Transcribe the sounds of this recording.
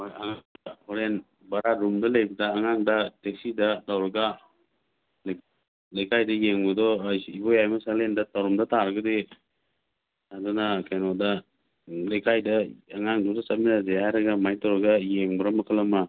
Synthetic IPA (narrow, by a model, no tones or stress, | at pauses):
ɔjaŋaŋdaɔɾen | baɾaɾumdalejbɐdaːŋaŋdateksidatawɾɐɡa | l | lejkʰajdɐjeŋbɯdɔjibɔjajmasalendatawɾɔmdatʰaɾɐɡɯde | adɔnakʰenɔda | lejkʰajdaaŋaŋdudat͡ʃaminazeajɾɐɡamajtawɾɐɡajeŋbɯɾamakʰɯlama